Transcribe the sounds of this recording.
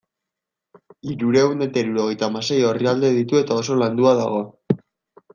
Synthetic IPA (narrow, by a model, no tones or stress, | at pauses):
iɾuɾe̞une̞t̪aiɾuɾo̞ɣ̞e̞jt̪aːmase̞jo̞riald̪e̞ðit̪ue̞t̪ao̞so̞land̪uaða̰ɣ̞o̞